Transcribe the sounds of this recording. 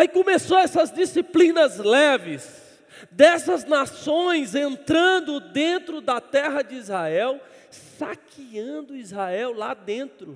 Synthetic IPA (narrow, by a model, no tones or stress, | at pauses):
aikõmesoɛsɐzd͡ʒisiplĩnɐzlɛvɪs | d̪ɛsɐznasõj̃zẽnt̪ɾɐ̃nd̪ʊd̪ẽnt̪ɾʊd̪ɐt̪ɛɦɐd͡ʒɪizhaɛw | sakʰiɐ̃d̪ʊizhaɛwla̰d̪ẽnt̪ɾʊ